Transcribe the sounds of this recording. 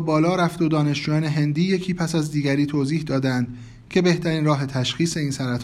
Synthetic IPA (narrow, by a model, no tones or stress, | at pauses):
bɒːlɒːɾæft̪od̪ɒːne̞ʃd͡ʒuːjɒːne̞ɦe̞nd̪iːje̞cʰiːpʰæsæzd̪iːɡæɾiːt̪ʰoːziːhd̪ɒːd̪ænd̪̥ | cʰe̞be̞ht̪ʰæɾiːnɾɒːɦe̞t̪ʰæʃxiːse̞iːnsæɾæt̪ʰ